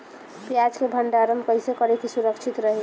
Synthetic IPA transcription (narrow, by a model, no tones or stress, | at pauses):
pjad͡ʒkebʱəɳɖaɾəmkəjsekəɾet̪ʰisuɾəkt͡ʃʰit̪ɾəɦi